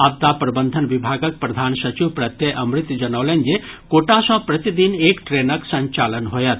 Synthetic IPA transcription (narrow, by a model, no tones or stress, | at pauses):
ab̚t̪aːpɾɐbənd̪ʱənʋibʱaːɡək̚pɾɐd̪ʱaːnsɐt͡ʃiʋpɾɐt̪jeʔɐmɾɪt̪ːd͡ʒɐnəʋlend͡ʒe | koːʈãsɐ̃pɾɐt̪id̪ineːkʈɾeːnəksɐ̃ɲt͡ʃaːlənɦoːjɐt̪